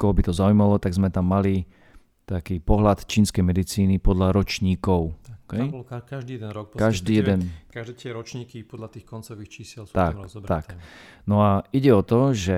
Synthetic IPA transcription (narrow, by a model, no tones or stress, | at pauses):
kɔɦɔbit̪ɔzaujmalɔt̪aɡzmɛt̪amːali | t̪akiːpɔɦlat̪t͡ʃiːnskɛjmɛd̪it͡siːnipɔd̪laɾɔt͡ʃɲiːkɔʊkɛbkaʒd̪iːɛd̪ɛnɾɔk̚kaʒd̪iːjɛd̪ɛnkaʒd̪ɛt̪ɪɛɾɔt͡ʃɲiːkipɔd̪lat̪iːxkɔnt͡sɔʋiːxt͡ʃisɛlt̪akt̪aknɔaiɟɛɔt̪ɔʒɛ